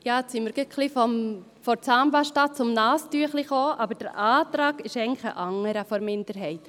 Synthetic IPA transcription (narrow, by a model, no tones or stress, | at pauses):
jɑːsiməɾɡɪkχlifɔm | fɔɾt͡sɑːmbɑʃtɑt̚t͡sʊmnɑːstyəχliχoːʔɑbəɾd̥əɾʔɑːt̪ɾɑːɡ̥ɪʃɛɪɡəŋlɪχə̰ʔɑŋːəɾəfɔɾmɪnd̥əɾɦɛɪt̪